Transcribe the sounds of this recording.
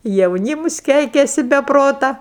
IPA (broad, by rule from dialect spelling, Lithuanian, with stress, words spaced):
jɛʊˈnʲiːmʊs ˈkʲɛɪkʲɛsʲɪ bʲɛ ˈproːtɐ